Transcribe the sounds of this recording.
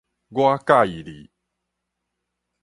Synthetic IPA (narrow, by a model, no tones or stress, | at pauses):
ɡoakaiɾḭ